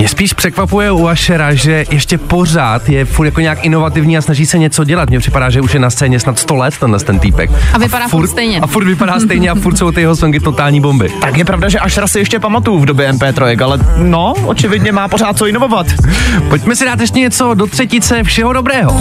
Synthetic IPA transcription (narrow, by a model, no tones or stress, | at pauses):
mɲɛspiːʃpr̥ɛkvapujɛuaʃɛɾaʒɛjɛʃcɛpo̞r̝aːt̪jɛfuɾt̪jakoɲɛjakɪno̞vat̪ɪvɲiːasnaʒiːsɛɲɛt͡so̞ɟɛlat̪mɲɛpr̥ɪpadaːʒɛuʃjɛnast̪t͡sɛːɲɛsnat̪st̪olɛt̪ːɛnlɛst̪ɛnt̪iːpɛ̰kavɪpaɾaːfuɾtst̪ɛjɲɛafuɾt̪vɪpadaːst̪ɛjɲɛafuɾt̪sowt̪ɪjɛɦosoŋk̬ɪt̪o̞t̪aːlɲiːbo̞mbɪt̪akjɛpɾavdaʒɛʔaʃɛɾasɪjɛʃcɛpamat̪ujvdobjɛɛmpɛːt̪ɾojɛkalɛnoʔo̰t͡ʃɪvɪdɲɛmaːpoɾaːt̪̚t͡soɪnovovat̪poc̚mɛsɪdaːt̪jɛʃ̬cɛɲɛt͡so̞do̞t̪r̥ɛcɪt͡sɛfʃɛɦo̞dobɾɛːɦo